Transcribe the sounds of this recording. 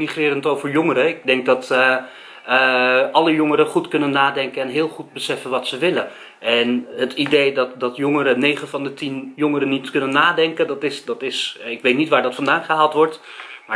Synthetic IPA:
miχrɪːɾəntowvəɹjɔŋəɾəɪɡ̚dɛŋk̚dɑt | əʔɑləjoŋəɾəχutkɵnənːaːdɛŋkənɛnɦɪːlˠχud̚bəsɛfənʋɑtsəʋɪlə | ɛnɦətidejdɑtdɑtjʊŋəɾənejχəvɑndətinjʊŋəɾənitkɵnənːaːdɛŋkəndɑtɪsdɑtɪsɪkʋejtnitʋaːɹdɑtfɑndaːnχəɦaːlˠtʋɔɹt | maː

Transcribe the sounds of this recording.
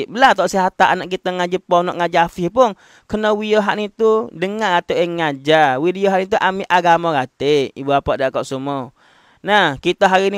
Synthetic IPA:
bəlat̪ɔʔsiɦat̪aʔanaʔkit̪aŋad͡ʒəpɔnɔʔŋad͡ʒafihpʊn | kənəwioɦaʔnit̪udəŋarat̪aaŋːad͡ʒawidioɦaʔnit̪̬uʔamiʔaɡamaɡat̪eḭbuapaʔdaʔkɔʔsumɔ | nahkit̪aɦaɾini

